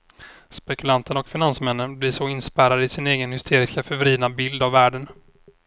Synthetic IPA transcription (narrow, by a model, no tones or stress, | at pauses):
spɛkɵlant̪ənɔkfɪnansmɛnːənblɪʂɔɪnspæːɾad̪əɪsɪneːɡənhʏst̪ʰeːɾɪskafɛvɔɾiːd̪nabɪld̪avːæːɖən